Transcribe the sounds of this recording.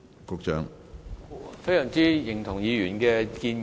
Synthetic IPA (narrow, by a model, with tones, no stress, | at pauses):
kʊ˧k̚t͡ʃœ̰ː˨˧˥ŋ | fe˥jsœ˨˩ŋt͡siː˥jɪ˨˩ŋt̪ʰʊ˨˩ŋjiː˨˧jyː˨˩nkɛː˧kiː˧n